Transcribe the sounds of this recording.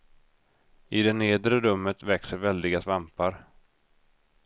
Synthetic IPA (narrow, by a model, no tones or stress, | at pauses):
ɪd̪ɛneːd̪ɾəɾɵmːət̪vɛksəɾvɛld̪ɪɡasvampaɾ